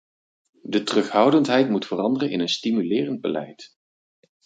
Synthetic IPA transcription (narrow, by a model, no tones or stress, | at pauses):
dətərɵχɦʌwdəntɦɛjtmutfərɑndərənɪnənstimylɪːrənd̚bəlɛ̰jt